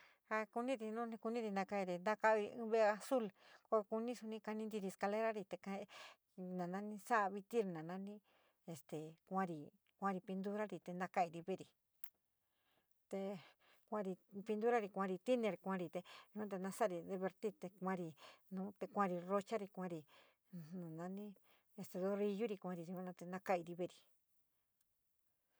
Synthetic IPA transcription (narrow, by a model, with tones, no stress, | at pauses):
ha˧ku˧nĩ˦ɾi˧nũ˦nĩ˧ku˧nĩ˦ɾi˧nã˧ka˧i˧ɾi˨nd̪ã˦ka˧βi˧ɨ̰̃˦βe˧a˧su˦lko˧ku˧nĩ˦su˧nĩ˧ka˧nĩ˧nd̪i˧ɾi˧e˨ska˧le˦ɾa˦ɾi˧t̪e˧kã˧ | nã˨nã˧nĩ˧sa˦ʔβi˧t̪i˦ɾi˧˨nã˨nã˧nĩ˦ | e˧st̪e˨kʷã˦˧ɾi˧ | kʷã˧ɾi˧pi˧nd̪u˦ɾa˦ɾi˨t̪e˧nd̪ã˧ka˧i˧ɾi˧βe˦ɾi˨ | t̪e˧ | kʷã˧ɾi˧pi˧nd̪u˦ɾa˦ɾi˧kʷã˧ɾi˧t̪i˦nẽ˧ɾi˧kʷã˦˧ɾi˧t̪e˧jũ˧ã˦t̪e˧nã˧sa˦˧ɾi˧ðe˧βe˧ɾt̪i˦t̪e˧kʷã˦˧ɾi˧nũː˦t̪e˧kʷã˧ɾi˧ro˧t͡ʃa˦ɾi˧kʷã˧ɾi˧ | nũ˨nã˧nĩ˦ | e˧st̪e˧ðo˦ɾi˧ju˦ɾi˧kʷã˧ɾi˧˨ũ˧ã˦nã˧t̪e˧nã˧ka˦i˧ɾi˧βe˦˨˧ɾi˨